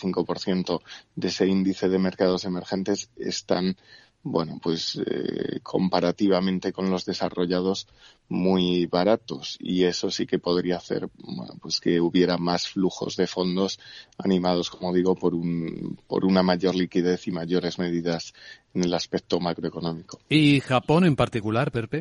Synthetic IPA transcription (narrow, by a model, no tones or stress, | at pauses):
θiŋko̞po̞ɾθje̞nt̪o̞d̪eese̞ind̪iθe̞ð̞e̞me̞ɾkað̞o̞se̞me̞ɾxe̞nt̪e̞se̞̰st̪a̰n | bwe̞̰no̞pwe̞sḛkʰo̞mpaɾat̪iβ̞amẽ̞nt̪e̞ko̞nlo̞zðe̞saro̞ʝað̞o̞s | muijβaɾat̪o̞sḭe̞so̞sike̞po̞ðɾiaːθe̞̰ɾbwḛno̰pwe̞ske̞uβje̞ɾamasfluxo̞̰zðe̞fo̞nd̪o̞sa̰nĩmað̞o̞sko̞mo̞ð̞iɣ̞o̞po̞ɾunpo̞̰ɾunamaʝo̞ɾlikiðe̞θimaʝo̞ɾe̞zme̞ð̞iðase̞ne̞laspek̚t̪o̞makɾoekonõ̞miko̞̥ixapo̞ne̞mpaɾt̪ikulaɾpeɾpe